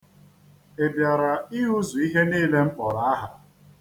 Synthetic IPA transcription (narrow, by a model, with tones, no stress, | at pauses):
e˨bja˨ɾa˨i˦ɦu˦zu˨i˦ɦe˦niː˦le˦ŋ͡m̩˦k͡pɔ˨ɾa˨˦a˦ɦa˨